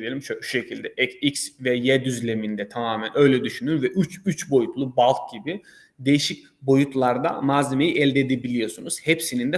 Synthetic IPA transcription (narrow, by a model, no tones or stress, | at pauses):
ielʲimʃoʃu̥ʃe̞cʰilʲd̪ɛʔɛcicsvɛjɛd̪yzlʲe̞mind̪ɛt̪ʰamaːmænʔø̞jlʲɛd̪yʃynynvɛʔyt͡ʃyt͡ʃbo̞jut̪ʰlˠubalˠk̚ɟ̥ibi | d̪e̞jiʃic̚ | bo̞jut̪ʰlˠaɾd̪a̰mazʲemejiʔɛlʲd̪eːd̪ebilʲijo̞sunuz̥hepsinind̪ɛ